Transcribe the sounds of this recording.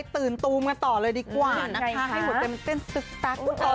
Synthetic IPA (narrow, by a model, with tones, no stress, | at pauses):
jt̪ɯː˨˩nt̪uː˧mka˧nt̪ɔː˨˩lɤː˧jdiː˧kwaː˧˨˩na˦˥ka˦˥˨uː˨˩tt̪e˧m˧t̪e˥˩nsɯ˨˩k̚sa˦˥k̪̚ːa˨˩